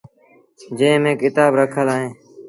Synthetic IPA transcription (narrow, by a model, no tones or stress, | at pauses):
d͡ʒẽːmẽːkɪt̪aːbɾəkʰəlaːɦẽː